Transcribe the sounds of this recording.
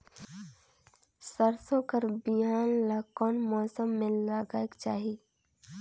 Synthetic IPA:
səɾsõkəɾbiaːnlakɔːnmɔːsəmːẽləɡaːekt͡ʃaːɦii

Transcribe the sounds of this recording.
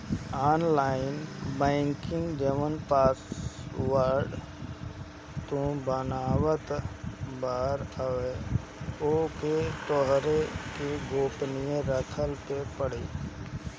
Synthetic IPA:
aːnlaːɪnbɛ̃ːŋkɪ̃ŋɡd͡ʒəʋənpaːswəɾɖ | t̪õbənaːwət̪baːɾəʋe | oːket̪ɔɦɾekeɡoːpnijẽɾəkʰəlpepəɽ̤iː

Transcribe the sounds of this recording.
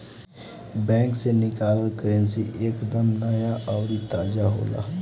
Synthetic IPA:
bɛ̃ːŋksenɪkaːlkəɾə̃nsiʔeːkd̪əmnəjaʔɔːɾit̪aːd͡ʒaɦo̰ːla̰ː

